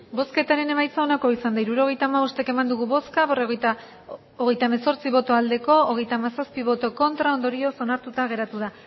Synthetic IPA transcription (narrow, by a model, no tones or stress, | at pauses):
bo̞ske̞t̪aɾe̞ne̞majt͡sao̞nako̞isand̪aiɾuɾo̞ɣ̞e̞jt̪aːmaβost̪eke̞mand̪uɣuβo̞skaβe̞roɣ | oɣe̞jt̪aemeso̞ɾt͡siβo̞t̪o̞ald̪e̞ko̞oɣ̞e̞jt̪aːmasaspiβ̞o̞t̪o̞ko̞nt̪ɾao̞nd̪o̞ɾio̞so̞naɾt̪ut̪aɣ̞e̞ɾat̪uða